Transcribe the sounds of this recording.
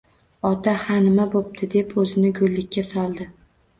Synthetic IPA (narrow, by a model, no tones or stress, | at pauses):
ɒt̪ʰahanɪmabop̚t̪ʰɪd̪e̞pʰɵzɪnɪɡʊlːɪkʲːasɒlˠd̪ɪ